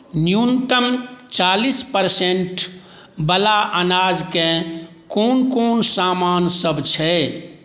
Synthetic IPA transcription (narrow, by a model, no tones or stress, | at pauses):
njunt̪əmt͡ʃalispəɾseɳʈ | bəlaʔənad͡ʒke | koːnkoːnsamansəbt͡ʃʰɛ